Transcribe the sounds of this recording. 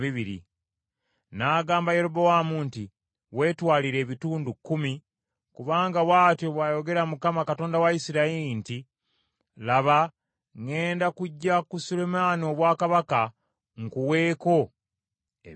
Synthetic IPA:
iβiɾḭ | naːɡaːmbajeɾobowamunti | we̞ːtwaːliɾe̞ːβituːndukːumi | kuβaːŋɡawaːtjoβwaːjo̞ɡe̞ɾamukamakato̞ːndawaisiɾaeinti | laβa | ŋe̞ːndakuɟːakusulemaːnio̞βwaːkaβaka | ŋkuwe̞ːko̞ | e

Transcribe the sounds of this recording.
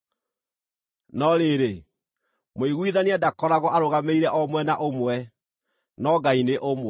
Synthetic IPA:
nɔɾeɾe | moiɣwiðaniadakɔɾaɣɔʔaɾoɣameiɾɛʔɔmwɛnaʔomwɛ | nɔɡaineʔomwɛ

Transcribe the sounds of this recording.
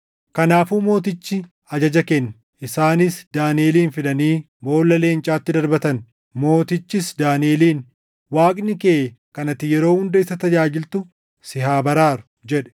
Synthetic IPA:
kɐnaːfuːmo̞ːt̪̬ɪt͡ʃːɪ | ɐd͡ʒɐd͡ʒɐkɛnː | ɪsaːnɪsd̪aːneːliːnfɪᶑɐniː | bo̞ːlːɐleːɪnt͡ʃʼaːt̪ːɪd̪ɐɾbɐt̪ɐn | mo̞ːt̪ɪt͡ʃːɪsd̪aːnɪe̞ːliːn | waːkʼnɪkeː | kɐnɐt̪ːɪjɛɾo̞ːhʊnd̪ɐɪsɐt̪ɐd͡ʒaːd͡ʒɪlt̪ʊ | sɪɦaːbɐɾaːɾʊ̥ | d͡ʒɛᶑɛ̥

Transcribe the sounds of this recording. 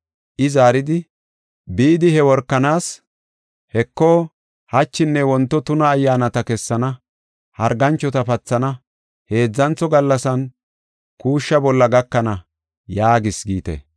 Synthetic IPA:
ʔɪzaːɾɪd̪ɪ | biːd̪ɪhɛwɔɾkːɐnaːs | hɛkːoː | hɐt͡ʃːɪnːɛwɔnt̪ːɔt̪ʊnɐːjːaːnɐt̪ɐkɛsːɐnɐ | hɐɾɡɐnt͡ʃːɔt̪ɐpɐt͡sːɐnɐ | he̞ːd͡zːɐnt͡sːɔɡɐlːɐsɐn | kuːʃːɐbɔlːɐɡɐkːɐnɐ | jaːɡɪsɡiːt̪ḛ

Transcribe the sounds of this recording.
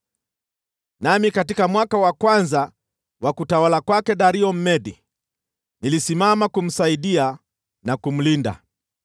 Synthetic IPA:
namikatikamwakawakwanza | wakutawalakwakɛɗaɾiɔm̩mɛɗi | nilisimamakum̩saiɗia | nakum̩linda̰

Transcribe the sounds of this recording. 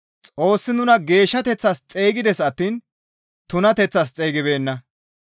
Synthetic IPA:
t͡sʼo̞ːsːɪnʊnɐɡe̞ːʃːɐt̪ɛt͡sːɐst͡sʼeːɡɪd̪ɛsɐt̪ːiːn | t̪ʊnɐt̪ɛt͡sːɐst͡sʼeːjɡɪbe̞ːnːɐ

